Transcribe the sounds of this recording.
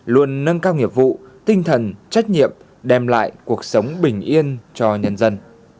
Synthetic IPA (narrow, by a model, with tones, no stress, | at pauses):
lu˧ənːə˧nkaː˧wŋi˨˩əp̚vṵ˧˨t̪ï˧ŋ̟t̪ʰə˨˩nt͡ɕa˦˥jk̟̚ɲḭ˧˨əm | ɗɛ˧mla̰ː˧˨jku˨˩ək̚sə˨˦wŋ͡mɓï˨˩ŋ̟ʔi˧ənt͡ɕɔ˧ɲə˧nzə˧n